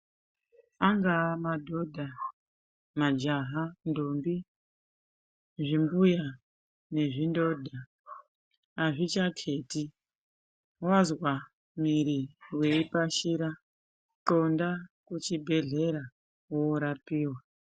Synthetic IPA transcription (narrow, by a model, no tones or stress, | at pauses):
aŋɡamadʱo̞dʱa | mad͡ʒaɦandombi | ʐimbuja | ne̞ʐindo̞dʱa | aʐit͡ʃakʰe̞ti | wazwa | miɾiwe̞ipaʃiɾa | ǁondakut͡ʃibʱe̞ɮe̞ɾa | woːɾapiːwa